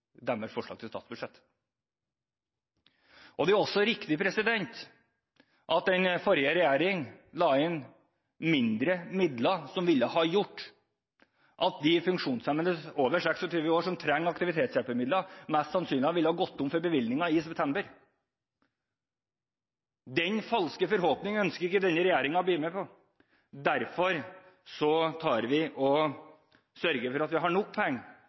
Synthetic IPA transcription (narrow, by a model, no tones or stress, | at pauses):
d̪æməsfɔʂɭɑ̰ɡ̚t̪ʰɪlst̪ɑ̰ːt̪sbʉʂɛt̪ː | ʔɔd̪ɛæɾɔsːɔɾɪkt̪ɪpʰɾɛsɪd̪ɛnt̪ | ʔɑt̪̚d̪ɛnfɔɾjəɾɛjæːɾɪŋlɑːɪn | mɪnd̪ɾəmɪd̪lɑsɔmʋɪlːəhɑːjʊʈː | ʔɑt̪̚d̪ɪfʉŋkʂuːnsɛmʋənəsoːʋəʂɛksɔt̪ʰyːʋəoːʂɔmt̪ʰɾɛŋːɑkt̪ɪʋɪt̪ʰeːt̪sjælpəɾmɪd̪lɑmæst̪sɑnsyːnlɪhɑʋɪlːəhɑːɡɔt̪ːʊmfɔɾbəʋɪlnɪŋɑɪsɛp̚t̪ʰɛmbəɾ | d̪ɛnfɑlskəfɔɾɦɔːpnɪŋəœnskəɾɪkːəd̪ɛnːəɾɛjæːɾɪŋɑɔbliːmɛpʰɔ | d̪æɾfɔɾ | sɔt̪ʰɑːɾʋɪʔɔ | sœɾɡəfɔɾɑt̪ʋɪɦɑɳɔkːpʰɔɛŋː